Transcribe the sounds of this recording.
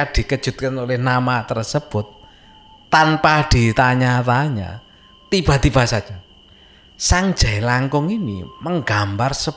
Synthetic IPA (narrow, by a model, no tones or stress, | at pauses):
aɖ̥i̤kəd̥ʒ̥ṳt̪̚kənolɪhnamat̪ərsəb̥ʊt̪̚ː | anpaɖ̥i̤t̪aɲat̪aɲa̰ | t̪ib̥a̤t̪ibasaa | saŋd̥ʒ̥ɛlaŋkʊŋinḭməŋɡambarsə